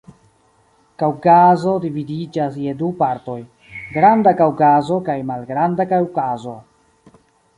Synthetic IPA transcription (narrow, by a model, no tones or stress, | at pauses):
kawkazo̞dividid͡ʒasjedupaɾto̞j | ɡɾandakawkazo̞kajmalɡɾandakawkazo̞